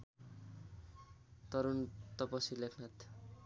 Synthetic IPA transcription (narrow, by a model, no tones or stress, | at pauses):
t̪ʌɾunt̪ʌpʌsilekʰnat̪